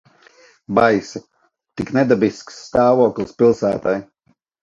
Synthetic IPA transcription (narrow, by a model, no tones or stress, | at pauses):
bajsi | t̪iknɛd̪abisksːt̪ɑːvuɔklʲˠɨspilˠsæːt̪aj